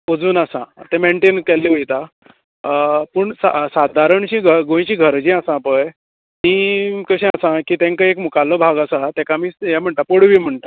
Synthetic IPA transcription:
od͡zuːnasã̰t̪ɛ̃meɳʈenkɛlːiʋəjt̪a | pəɳsa̰sad̪ʱaɾəɳt͡ɕĩɡʱəɾɡõj̃ĩt͡ɕĩɡʱəɾd͡ʑĩasãpəj | mikəɕɛ̃asãkit̪ɛ̃ŋkəekmukalːɔbʱaɡasaat̪ɛ̃kamijɛm̤əɳʈ̪apoɽʋiːm̤əɳʈ̪a

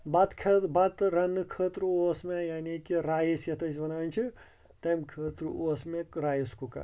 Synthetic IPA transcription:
bat̪kʰebat̪ɾɐnɨkʰəːt̪ɾuosmejaːnikiɾaːjisjɐt̪əsibɐnant͡ʃʰi | t̪ɐjmkʰəːt̪ɾuosmekɾaːjiskuka̰

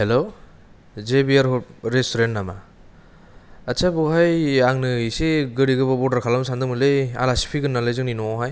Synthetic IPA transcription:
helo | zebiaɾɦɔɾestoɾentnama | asabuɦajaŋnɯseɡɯɾiɡɯbabɔdaɾkʰalamsandɯmɯleja̰lasi̥pʰiɡɯnːalɯjzɯŋninɔɦaj

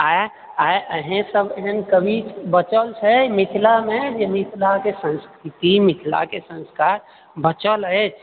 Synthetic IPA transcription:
a | aeʔəɦẽsəbəɦənkəbʱibət͡ʃəlt͡ʃʰəmit̪ʰilamẽd͡ʒemit̪ʰilakesə̃nskʰɾit̪imit̪ʰila̰kesə̃nskaɾ | bət͡ʃələt͡ʃʰ

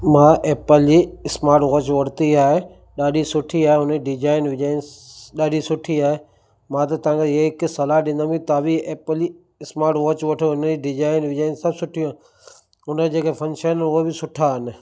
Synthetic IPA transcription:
mãːʔeːpəld͡ʑiːɪsmaːɾʈʋoːt͡ɕʋɐɽ̤t̪iaːɦe | ɗaːɗisʊʈʰiaːɦeʊniɖɪd͡ʒaːɪnʋɪd͡ʒaːɪnɗaːɗisʊʈʰiaːɦe | mãt̪̬ɐt̪ɐʋ̤ãŋkʰeeɪksɐlaɦɗĩnd̪aːmĩkit̪aːbieːpəli | ɪsmaːɾʈʋɔːt͡ʃʋɐʈʰoʊnəiɖɪd͡ʒaːɪnʋɪd͡ʒaːɪnsɐbsʊʈʰijũaː | ɦʊnəd͡ʑeːkefʰɐ̃nʃaːɪnəʊɦebɪsʊʈʰaɦɪnɪ̆

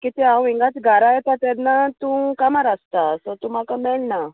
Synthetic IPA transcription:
kit̪iãwĩŋɡat͡sɡʱaɾajet̪at̪anːat̪ũkamaɾast̪asɔt̪ũmakamɛɭna

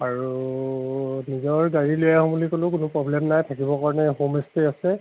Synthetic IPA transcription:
aɹu | nizɔɹɡaɹilujaɦɔ̃bulikolʊ̃k̬ʊnʊpɹɔblɛmnajtʰakibɔkaɹɔnɛɦomestiasɛ

